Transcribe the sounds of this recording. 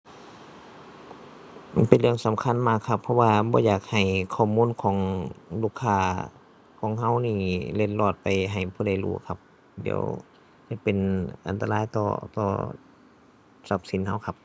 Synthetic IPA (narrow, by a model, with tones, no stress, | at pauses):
pe˨nlɯ˧˩əŋsa˨˦mkʰa˧˥˨nmaː˧˩kʰːa˧pʰːɔ˧waː˧bɔː˧˦jaː˨˩k̚ha˨˩jkʰɔː˧˩˨muː˧˥˨nkʰɔː˨˦ŋluː˧˩kʰːaː˧˩ | kʰɔː˨˦ŋɦa˧˥˨wniː˧˩le˧t̪̚lɔː˧˩t̪̚pa˨jɦa˨˩jpʰuː˧˥˨da˧˩jlṵː˧˩kʰa˧p̚ | dḭ˧˩ə̰˦w | sa˧˩pe˨nʔa̰˨nt̪a˧laː˧˥˨jt̪ɔ̰ː˧t̪ɔ̰ː˧˩ | sa˧˩p̚si˨˦nha˧˥˩wkʰa˧˥p̚